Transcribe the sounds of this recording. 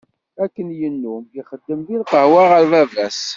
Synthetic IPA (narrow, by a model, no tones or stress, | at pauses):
ækːənjənːumjiχəd̪ːəmðilqəhwaʁəɾvævæs